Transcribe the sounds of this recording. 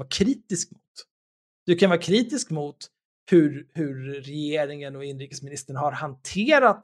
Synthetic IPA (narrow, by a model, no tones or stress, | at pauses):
vaːɾkʰɾiːt̪ɪskmʊt̪ | d̪̥ɵkʰanvɑːɾkʰɾiːt̪ɪskmʊt̪ | hɵɾhɵɾːɛjeːɾɪŋənɔɪnːɾiːkəsmɪnɪst̪əɳɦaɾhant̪ʰeːɾat̪